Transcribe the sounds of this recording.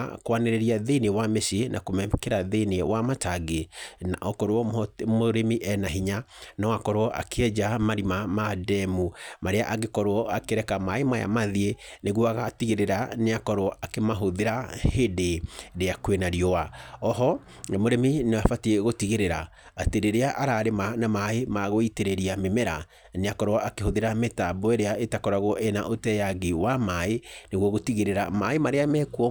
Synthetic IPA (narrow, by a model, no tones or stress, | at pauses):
kwaneɾeɾiaðenewamesienʔakomɛkɛɾaðenewamataɡenaʔɔkɔɾoɔmoɾemiʔɛnaɦiɲanɔwakɔɾwɔʔa̰kʰeɛd͡ʒamaɾimamadɛmumaɾea̰ʔaɡekɔɾoɔakeɾɛkamaemaja̰maðieneɣwɔaɣatiɣeɾeɾaneakɔɾoɔʔakemaɦoðeɾahedeɾeakwenaɾiɔwaɔɦɔ | moɾeminewafatieɣotiɣeɾeɾa | ateɾeɾeaʔaɾaɾemanamaemaɣoiteɾeɾiamemɛɾa̰ | neakɔɾoɔakehoðeɾametabɔeɾeaetakɔɾaɣoʔena̰ʔotɛjaɡiwamaeneɣwɔɣotiɣeɾeɾamaemaɾeamɛkuɔ